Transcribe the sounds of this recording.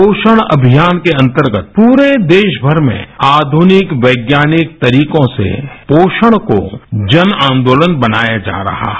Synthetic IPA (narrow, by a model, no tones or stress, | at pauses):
oːʃəɽ̃ɐ̰bʱijaːnkeɐ̃nt̪əɾɡət̪̚puːɾed̪eːʃbʱəɾmḛ̃aːd̪ʱunɪkʋɐɪɡjaːnɪk̚t̪ɐɾiːkõsḛpoːʃəɽ̃ko̰d͡ʒənãːnd̪oːlənbɐnaːjad͡ʒa̰ːɾɐ̰ɦa̰ː